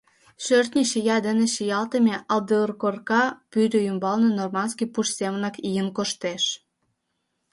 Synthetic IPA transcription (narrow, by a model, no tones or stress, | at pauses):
ʃørt̪nʲiʃijɑd̪ə̆nĕʃijɑlt̪ə̆mʲeʔɑlˠd̪əərkorkɑpyɾʲøjymbɑlnɤnormɑnskipuʃsʲemnɑkijənkoʃt̪eʃ